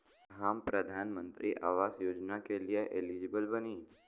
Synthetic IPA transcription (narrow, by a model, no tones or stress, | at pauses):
ɦampɾəd̪ʱanmənt̪ɾḭʔa̰ʋasjod͡ʒnakelijeʔelid͡ʒibəlbəni